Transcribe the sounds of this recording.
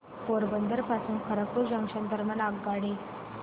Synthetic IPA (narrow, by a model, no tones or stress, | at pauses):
poɾbənd̪əɾpasuːnkʰəɾakpuɾd͡ʑə̃ŋkʂənd̪əɾmanaɡːaɽi